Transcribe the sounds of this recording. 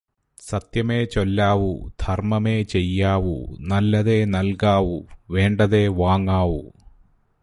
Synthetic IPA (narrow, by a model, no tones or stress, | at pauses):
sɐt̪jɐme̞ːt͡ɕolːaːʋud̪̥ʱɐrmɐme̞ːt͡ɕejːaːʋṵnɐlːɐðe̞ːnɐlkaːʋuʋe̞ːɳɖɐðe̞ʋaːŋːaːʋṵ